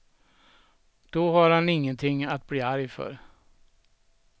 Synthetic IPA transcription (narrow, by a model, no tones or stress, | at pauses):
d̪̥ɔɦaɾhanɪŋːənt̪ʰɪŋːat̪̚bliːaɾjfœ̰ɾ